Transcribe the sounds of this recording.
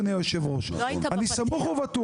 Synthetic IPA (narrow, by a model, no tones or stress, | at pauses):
nejoʃevʁoʃanisamuχuvat̪u